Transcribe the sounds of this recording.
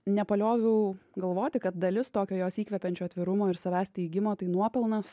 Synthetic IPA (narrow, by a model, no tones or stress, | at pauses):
nʲɛpɐlʲoːʋʲɛʊɡɐlˠʋoːt̪ʲɪkɐt̪̚d̪ɐlʲɪst̪oːkʲoːjoːsiːkʋʲɛpʲɛnʲt͡ʃʲoːɐt̪ʲʋʲɪɾʊmoːɪɾsɐʋʲæːsʲt̪ʲɛɪɡʲɪmoːt̪ɐɪnuɔpʲɛlˠnɐs